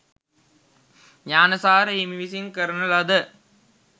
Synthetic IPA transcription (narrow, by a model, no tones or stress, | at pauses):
ɲaːnɐsaːɾəɦimiʋisinkəɾənəlɐd̪ə